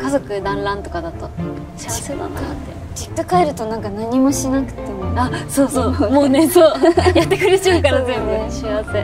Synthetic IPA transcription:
kazo̞kɯ̟d̪ãnɾãnt̪o̞̥kad̪at̪o̞ | ɕi̥od̪a̰nat̪ːe | d͡ʑikːakaeɾɯ̟t̪o̞nãŋkanaɲ̟imo̞ɕinakɯ̟̥t̪e̞moasoːsoːmoːnesoːjat̪ːe̞kɯ̟ɾet͡ɕaɯkaɾazemb̪ɯeɕiaβse

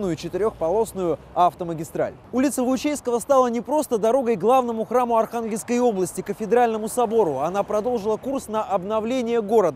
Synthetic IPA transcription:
nʊjʊt͡ɕɪt̪ɪɾʲo̞xpɐlˠo̞snʊjʊ | aft̪əməɡʲɪst̪ɾa̰lʲ | ulʲɪt̪səvəʊt͡ɕejskəvəst̪alˠənʲɪpɾo̞st̪əd̪ɐɾo̞ɡəjɡlˠavnəmʊxɾamʊɐrxanɡʲɪlʲskəjo̞blˠəsʲtʲɪkəfʲɪd̪ɪɾalʲnəmʊsɐbo̞ɾʊɐnapɾɐd̪o̞lˠʐɨlˠəkursnəʔɐbnɐvlʲenʲɪjəɡo̞ɾəd̪ə

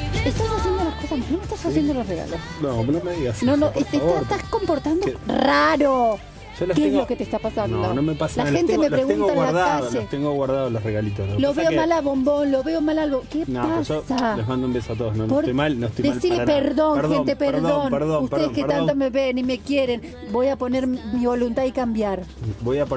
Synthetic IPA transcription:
est̪asasjend̪olaskosanomest̪asasjend̪olosreɣa̰losnonomeiasnonoʔet̪eat̪asko̞mpoɾt̪and̪oraɾo | ʃolekeezloket̪est̪apasandnoonomepaslaxent̪etmepɾeɣuenaelwlaðkaʒet̪eŋɡoɣwaɾðaðolosreɣalit̪oeloβeomalaβo̞mbo̞nloβeomalalβokenopaʃoalemãnd̪oumbesoat̪oðosnopoɾojmalnot̪ojd̪easiɾlepeɾðo̞ŋɾðxet̪epeɾðonpeɾðousteeskeɾant̪omeβenime̞kjeɾe̞n | bo̞japo̞neɾmiβo̞lunt̪aðikambjaɾbojap

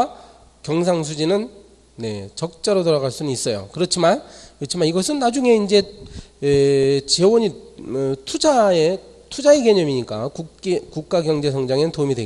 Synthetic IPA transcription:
kjʌŋs̬ʰaŋs̬ʰud͡ʑinɯn | ne̞t͡ɕʌk̚t͡ɕ͈aɾotoɾaɣaɭs͈unɯnis͈ʌjo̰kɯɾʌt͡ɕʰimankɯʌt͡ɕʰimaniɡʌsʰɯnːad͡ʑuŋe̞ind͡ʑe̞et͡ɕe̞woɲi | tʰud͡ʑae̞ | tʰud͡ʑaeɡeɲʌmiɲik͈a̰kuekuk̚k͈aɡjʌŋd͡ʑe̞sʰʌŋd͡ʑaŋeɯntomidwe

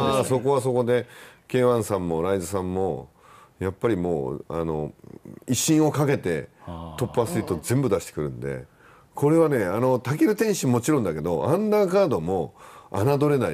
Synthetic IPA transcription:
aso̞ko̞βaso̞ko̞d̪e̞ke̞ːβãɰ̃sãmːo̞ɾaizɨs̬ãmːo̞ | japːaɾʲimo̰ːa̰no̞̰iɕĩɰ̃o̞kake̞t̪e̞̰t̪o̞pːasɨit̪ːo̞zẽ̞mbɯ̟d̪aɕi̥t̪ekɯ̟ɾɯ̟̃nd̪e̞̰ | kʰo̞ɾe̞β̞ane̞ano̞t̪akʲiɾɯ̟t̪ẽ̞ɰ̃ɕimo̞t͡ɕiɾõnd̪ake̞d̪o̞ʔãnd̪aːkaːd̪o̞mo̞a̰nad̪o̞ɾe̞nai

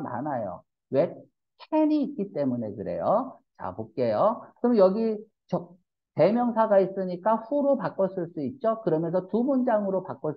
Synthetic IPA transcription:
ma̰najo̰ | we̞ | kʰeniːt̚k͈it͈e̞munekɯɾe̞̰jot͡ɕa̰pok̚k͈e̞joɯkmjʌɡi | t͡ɕʌ | te̞mjʌŋsʰaɡais͈ɯɲik͈aɸuɾopak͈ʌs͈ɯɭs͈uit̚t͡ɕ͈okɯɾʌmjʌnsʰʌtumond͡ʑaŋɯɾopak͈ʌ

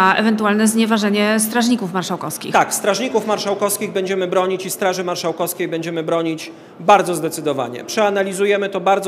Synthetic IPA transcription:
ɛ̰vɛnt̪ualnɛzɲɛvaʐɛɲɛst̪ɾaʐɲikufmaɾʂawkɔfskʲḭxt̪akst̪ɾaʐɲikufmaɾʂawkɔskʲiɣbɛɲd͡ʑɛmɘbɾɔɲit͡ɕist̪ɾaʐɘmaɾʂawkɔskʲejbɛɲd͡ʑɛmɘbɾɔɲit͡ɕ | baɾd̪zɔzd̪ɛt̪sɘd̪ɔva̰ɲɛ̰pʂɛanalʲizujɛmɘt̪ɔbaɾd̪ɔ

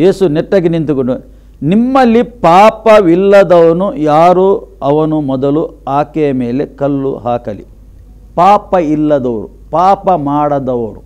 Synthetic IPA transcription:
je̞ːsunɛʈːɐɡenint̪ukoɳɖu | nimːɐlːipaːpɐʋilːɐd̪ɐʋɐnujaːɾuɐʋɐnumɔd̪ɐluaːkɛjɐme̞ːlekɐlːṵɦaːkɐlḭ | paːpɐilːɐd̪ɐʋɐɾṵ | paːpɐmaːɽɐd̪ɐʋɐɾṵ

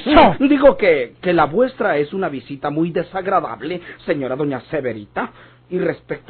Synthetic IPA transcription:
d̪iɣo̞keke̞laβwe̞st̪ɾae̞sunaβisit̪amujðe̞saɣɾaða̰βle̞se̞ɲo̞ɾaðo̞ɲase̞βe̞ɾit̪a | irespek̚t̪

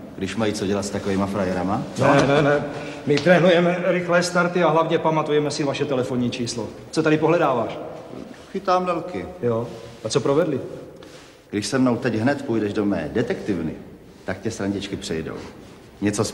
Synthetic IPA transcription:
ɡdɪʃmajit͡soɟɛlat̪st̪akoviːmafɾajɛɾamanɛnɛnɛmɪt̪ɾɛːnujɛmɛɾɪxlɛːst̪aɾt̪ɪaɦlavɲɛpamat̪ujɛmɛsɪvaʃɛt̪ɛlɛfoɲiːt͡ʃiːslot͡sot̪adɪpoɦlɛdaːvaːʃ | xɪt̪aːmdɛlkɪjoat͡sopɾovɛdlɪ | ɡdɪʃsɛmnowt̪ɛɟɦnɛt̪pujdɛʒdomɛ̰ːdɛt̪ɛkt̪ɪvnɪ̰ | t̪akcɛsɾaɲɟɪt͡ʃkɪpr̥ɛjdo̰w | ɲɛt͡so

